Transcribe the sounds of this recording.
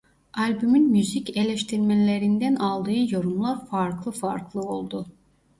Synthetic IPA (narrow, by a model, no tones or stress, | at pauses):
alʲbymynmyzice̞lʲɛʃt̪ʰiɾmelʲe̞ɾind̪ænalˠd̪ɯːɯjo̞ɾumlˠaɾfaɾklˠɯfaɾklˠɯo̞lˠd̪u